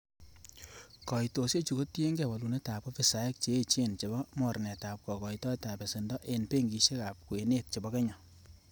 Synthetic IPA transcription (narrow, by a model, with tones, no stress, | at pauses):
kɔ˨i˨to˨sje˦t͡ʃu˨ko˦ti˦e˦ŋɡɛ˨wa˨lu˨ne˦ta˨pɔ˦fi˨sa˨e˦k̚t͡ʃeː˦t͡ʃe˦nt͡ʃe˨bɔ˦mɔ˨ɾne˨ta˨p̚kɔ˨kɔ˨itɔ˦e˦ta˨pe˨se˨ndɔ˦ʔe˨npe˦ŋɡi˨ʃe˦ka˨p̚kwe˨ne˦t̚t͡ʃe˨bɔ˦kɛ˦ɲɔ˨